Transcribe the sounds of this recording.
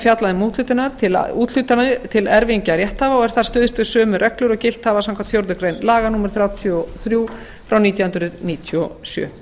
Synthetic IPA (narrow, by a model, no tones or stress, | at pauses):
fjat̪laðɪmuːt̪lʏːt̪ɪnaɾ̥t̪ʰɪl̰uːt̪l̥ʏt̪anaɪt̪ʰɪlɛɾviɲcaɾjɛht̪haːvaɔɣɛɾ̥θaɾ̥st̪ʏːðɪst̪vɪðsœːmʏɾʔœklʏɾɔɣcɪl̥t̪haːvasãmkvant̪fjowɾðʏkɾejnlaːɣanuːmɛɾ̥θɾjaːwt̪ʰjɔθɾjuː | fɾawniːt̪jahʏnt̪ɾʏðniːt̪ʰjɔsjœ̰ː